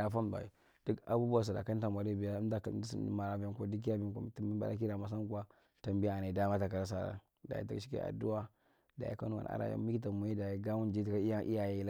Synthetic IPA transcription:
a˨fa˦m˨ba̰˨ḭ˨ | d̥u˦ka̰˨bu˦bu˦wa˨s̬a˨da̰˨ka˦nta˨ma˨ɾi˦˨bi˨ja˦da˦ksḭ˨n̰˦ma˨ɾa˨ba˨ko˦di˦k̬i˦ja˦bi˦nkti˦i˦ba̰˨a˦k̬i˦da˨ma˨s̬a˦ŋ˦ɡa˦ | ta˨mbi˦a˨na˨i˨da˦ma˦ta˨ka˨ɾa˦s̬a˨ɾa̰˦ | da̰˨jḭ˦ta̰˦˨kʃi˦kḛ˦a̰˨du˦wa˦ | da˨jḭ˦ka˦nu˦wa̰˨a̰˦ɾa̰˨ja̰˦mi˦ki˦ta˨mu˨je˦da˨ji˦ɡa˦wu˦nd͡ʒi˦tka˦i˦a˦ʔḭ˦ja˨ja˦l

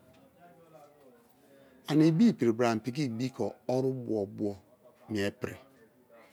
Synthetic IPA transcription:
a˨ni˨bi˦˨pi˨ɾi˨bɾa˨m̩˨pi˨k̬i˦˨bi˦kʰɔ˨ɔ˦ɾu˦bɔ˨bu˦ɔ˦ | mi˨e˨pɾḭ˨

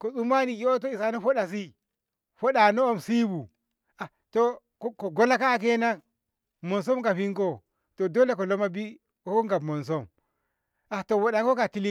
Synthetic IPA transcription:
ko˨su˦ma˦ni˨jo˦o˦t̬o˦i˨sa˨no˦ɸo˦ɗa˨s̬i˦ | ɸo˦ɗa˨no˦o˦˨msi˦bu˨ | a˨ | to˨ | kko˨ɡo˦la˦kaː˦˨k̬e˦na˦ | mo˨ns̬o˦mka˨ɸi˦ŋko˦ | to˨do˦le˦ko˨lo˦ma˦bi˦ | o˦ko˦ŋɡa˨bmo˨ns̬o˦m | ʔa˨to˨wo˨ɗa˨ŋko˦ka˨ti˦li˦

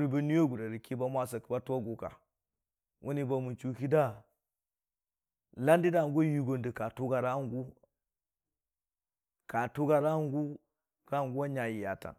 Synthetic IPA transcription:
ɾi˦ba˦ni˦jo˦ɡu˨da˨ɾi˨ki˦ba˦mʷa˦s̬a˨ki˨ba˦tu˦wa˦ɡu˨ka̰˨ | wʔu˦ni˦ba˨mu˨nt͡ʃu˦ki˦da˦ | la˦ndi˦da˦˨˦ɡo˦ji˨ɡo˨ndə˨ka˨tu˦ɡa˨ɾa˦ŋ˦ɡu˦ | ka˨tu˦ɡa˦ɾa˦ŋ˦ɡu˦ | ka˦˨ŋɡu˦wa˦ɲa˨ji˨ja˨ta̰˨n

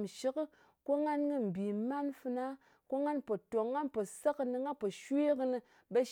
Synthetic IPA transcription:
mʃi˦kɨ˦ | ko˦ŋa˦nkɨ˦m̩˨bi˨ma˦nfɨ˧na˦ | ko˦ŋa˦npo˨to˨ŋːa˦npo˨sa˦kɨ˧nɨ˧ŋa˦po˨ʃe˦kɨ˧nɨ˧ | be˦

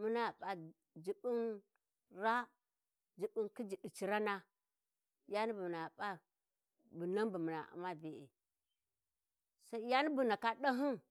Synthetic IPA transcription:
mu˦na˦˨ɓa˨ | d͡ʒi˨bi˦n | ɾa˦ | d͡ʒi˨ɓu˦nki˦d͡ʒi˨ɗi˨t͡ʃi˨ɾa˦na˦ | ja˦ni˦bu˨m˨na˨ɓa˦ | bu˨na˦mbu˨mi˨na̰˨ʔa̰˨ma˦be˨ḛ˨ | sa˦i˦ja˦ni˦bu˨na˨ka˦ɗa˦ɦi˦n

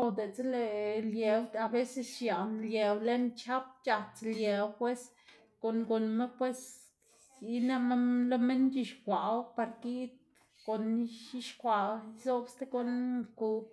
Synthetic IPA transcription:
o˨d̪e˨t͡se˦le˨lje˨w̪a˧be˦se˧sja˨nlʲje˨wle˦nt͡ʃa˦p̚t͡ʃa˧t͡slje˨wpwe˦s | ko˨nɡo˨nme˦pwe˦s | i˦na˦ma˦lo˦me˦nt͡ʃi˧ʃkʷa˨wpa˧ɾɡi˦t̪ | ko˨n˦ʃi˦ʃkʷa˨zo˦bst̪e˦ɡo˧nku˧

